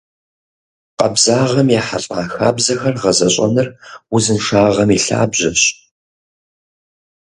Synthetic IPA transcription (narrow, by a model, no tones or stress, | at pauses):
qɐ̰bzaːʁɐmjaːħaɕʼaːxa̰ːbzɐxɐrʁɐzɐɕʼɐ̰nɨrwʊzɨnʂaːʁɐmiɬa̰ːbʑɐɕ